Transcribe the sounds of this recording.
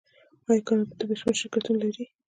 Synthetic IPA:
ɑjkɑnd̪̥əbɪsmeʃɪɾkat̪unalaɾi

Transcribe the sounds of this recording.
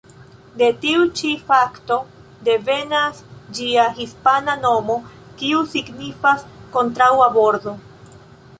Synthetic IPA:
de̞tiut͡ʃifakto̞ | de̞ve̞nasd͡ʒiaɦispanano̞mo̞ | kiusiɡnifasko̞ntɾawabo̞ɾdo̞

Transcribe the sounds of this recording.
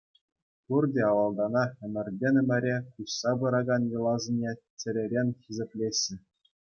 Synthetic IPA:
purdʲeɑʋɑlˠd̪ɑnɑɘ̆mʲɘ̆rʲdʲenʲɘ̆mʲɘ̆ɾʲekuɕsɑbɯɾɑɡɑnjɤ̆lˠɑzʲĭnʲet͡ɕʲɘ̆lʲɘ̆ɾʲenʲxʲizʲĕpʲlʲeɕʲːɘ̆

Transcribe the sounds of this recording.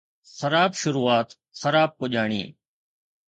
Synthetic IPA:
səɾaːbʃʊɾuːaːt̪ | səɾaːb̚kʊʄaːɳ̃ḭː

